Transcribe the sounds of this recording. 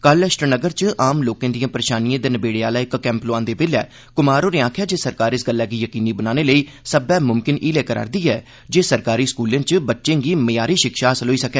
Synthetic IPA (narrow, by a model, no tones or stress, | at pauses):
kələʃʈənəɡəɾt͡ʃʔaːmloːkãːd̪ijãːpəɾeːʃaːnijãːd̪eːnəbeːɽeaːlaːɪkkɛ̃ːmploːãːnd̪eːbeːlɛ̰ː | kʊmaːɾoːɾeːãːkʰjaːd͡ʒeːsəɾkaːɾɪsɡəlːɛːɡiːjəkiːniːbənaːneːləiː | səbɛːmʊmkɪnʔiːlɛːkəɾa̰ːɾd̪iːɛː | d͡ʒeːsəɾkaːɾiːskuːlẽːt͡ʃbətːʃẽːɡiːməjaːɾiːʃɪkʃaːsəlɦoːiːsəkɛː